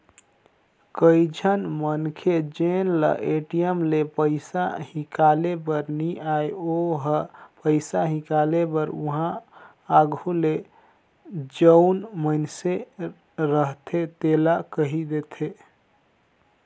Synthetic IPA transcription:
kəid͡ʒʱənmənkʰed͡ʒenlə̰ʔeʈijəmlepəɪsa̰ɦikalebəɾniajoɦəpəɪsaɦikalebəɾuɦã | aɡʱule | d͡ʒəʊnmənse | ɾəɦt̪ʰet̪elakəɦid̪et̪ʰe

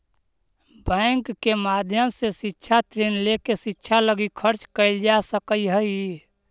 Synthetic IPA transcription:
bəŋkːemad̪ʱjəmsesɪtːʃʰat̪ɾinlekesɪtːʃʰaləɡikʰəɾt͡ʃkəɪld͡ʒasəkəiɦəi

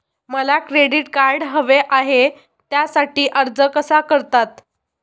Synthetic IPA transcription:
məlakɾeɽiʈkaɾɽɦəʋeʔaɦe | t̪jasaʈiːʔəɾd͡zəkəsakəɾt̪at̪

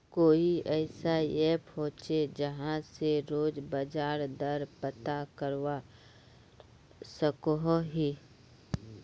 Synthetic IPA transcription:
koːiɛːsajepʰɔ̃ːt͡ʃed͡ʒəɦãseɾoːd͡ʒbəd͡ʒaːɾd̪əɾpət̪akəɾwa | səkoɦoɦiː

